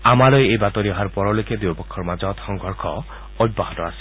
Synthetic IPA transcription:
amalojejbat̪ɔɾiɔɦaɾpɔɾoloked̪ewbɔkʰːɔɾmad͡ʒɔt̪xɔŋɡɔɾkʰɔ | ɔj̚bːaɦɔt̪ɔasi̥

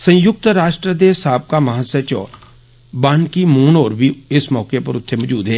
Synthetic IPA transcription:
sɐ̃jʊk̚t̪ɾaːʃʈɾəd̪eːsaːb̚kamɐɦasət͡ʃɔ̰ː | baːnkimuːnɔːɾbʱiɪsmɔːkepɐɾʊt̪ʰːemɔd͡ʒuːd̪ɦɛː

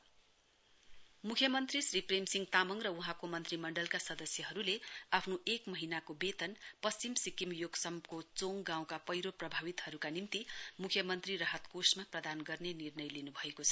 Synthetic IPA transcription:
mukʰjʌmʌnt̪risripremsiŋɡt̪amʌŋrʌuɦãkomʌnt̪rimʌɳɖʌlkasʌd̪ʌsjʌɦʌɾuleapʰnoekmʌɦinakobet̪ʌnpʌst͡simsikimjoɡsʌmkot͡soŋɡãw̃kapʌjɾoprʌbʱawit̪hʌɾukanimt̪imukʰjʌmʌnt̪rirʌɦʌt̪kosmaprʌd̪anɡʌrnenirnʌjlinubʱʌekot͡sʰʌ̥

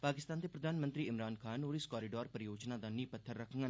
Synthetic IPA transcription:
paːkɪst̪aːnt̪epɾəd̪aːnmə̃nt̪ɾiːɪmɾaːnkʰaːnoːɾɪskɔːɾɪɖɔːɾpəɾjoːd͡ʒnaːd̪aːnĩːpət̪ʰːəɾːəkʰəŋɡə

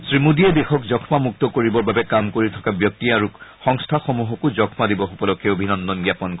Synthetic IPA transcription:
sɹimudiɛdexɔkzɔkʰmamuk̚t̪ɔkoɹibɔɹbabɛkamkoɹitʰɔ̥kabjɔk̚tiaɹuxɔŋstʰaxomuɦɔkuzɔkʰmadibɔxupɔlɔkʰːɛobʱinɔnd̪ɔnɡjapɔnkɔ

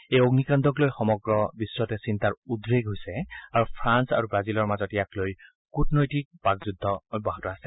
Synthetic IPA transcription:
ejoɡnikandʱɔklojxɔmɔɡɹɔbiswɔtɛsintaɹudɹeɡɦojsɛaɹupʰɹansa̰ɹubɹazilɔɹmazɔtɛjakloj | kutnojtik̚b̥akzudʱːɔbɔɦɔtɔasɛ̥

